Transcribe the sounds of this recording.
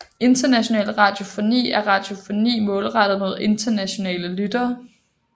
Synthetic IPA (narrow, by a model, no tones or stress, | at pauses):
e̝nd̥ɐnæɕo̝nɛ̰ːlʁɑ̈d̥jo̝fo̝nḭːæɐʁɑ̈d̥jo̝fo̝nḭːmɔ̽ːlʁɑd̥ð̩ˠmo̝ð̞̰ˠe̝nd̥ʰɐnæɕo̝nɛ̰ːləlyd̥ɐː